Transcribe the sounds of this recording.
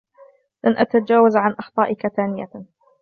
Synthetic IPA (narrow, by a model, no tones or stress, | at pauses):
lʔanʔat̪ad͡ʒaːwazʕanʔɑxt̪ˤɑːʔɪkaθaːnɪja̰